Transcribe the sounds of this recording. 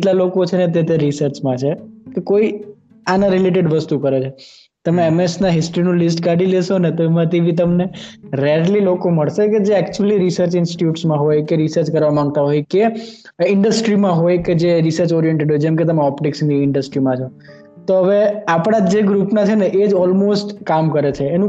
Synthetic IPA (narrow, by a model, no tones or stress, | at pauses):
eʈlalokot͡ʃʰenet̪̬et̪̬eɾisəɾt͡ʃmãt͡ʃʰekekoi | anãɾɪleʈ̬eɖʋəst̪ukəɾet͡ʃʰe | t̪əmeɛmesnaɦɪsʈɾinũlisʈkaʈileʃonet̪oemãt̪eʋit̪̬əmneɾɛɾlilokoməɭʃeked͡ʒeɛkt͡ʃuəliɾisəɾt͡ʃɪnsʈi̥ʈjuʈsmãɦojkeɾisəɾt͡ʃkəɾʋamãŋɡ̚t̪aɦojke | ɪɳɖəsʈɾimãɦojked͡ʒeɾisəɾt͡ʃɔɾijeɳʈeɖɦojd͡ʒɛmket̪əmeɔpʈiksniɪɳɖəsʈɾimãt͡ʃʰo | t̪oɦəʋeapɽ̃ad͡ʒeɡɾupnat͡ʃʰeneʔed͡ʒɔlmosʈkamkəɾet͡ʃʰeːnũ